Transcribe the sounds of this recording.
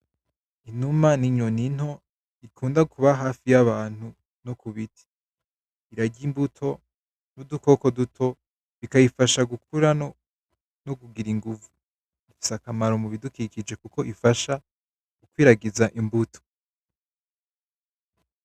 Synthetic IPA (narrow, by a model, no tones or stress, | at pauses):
inumaniɲonin̥ho̞ | ikʰuːndakʰuβaɦaːfijaβaːn̥hu | nokuβitʰi̥ː | ɾaɟimbutʰo̞ | nuduko̞ko̞dutʰo̞ | βikajifaʃaɡukuɾa | noɡuɡiɾiŋɡuvu | u̥sakamaɾo̞muβidukikid͡ʒe̞kuko̞ʔifaʃa | ɡ̥ukwiːɾaɡizaʔimbutʰo̥